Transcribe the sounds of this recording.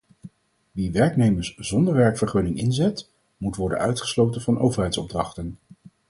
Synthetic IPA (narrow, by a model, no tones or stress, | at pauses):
ʋiʋɛɹknejməɹszɔndəɹʋɛɹkfəɹχɵnɪŋɪnzɛt | mutʋɔɹdə̰nœɥtχə̥slowtənvɑnowvəɹɦɛjtsɔb̚drɑχtən